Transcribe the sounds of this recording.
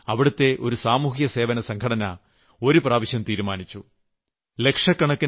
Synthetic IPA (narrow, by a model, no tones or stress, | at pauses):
ɐʋiɽut̪ːe̞ʔo̞ɾusaːmuːɦjɐse̞ːʋɐnɐsɐŋkʰɐɽɐnɐ̰ | o̞ɾupraːʋiɕjɐmt̪iːɾumaːnit͡ɕːu | le̞kʂɐkːɐɳɐkːi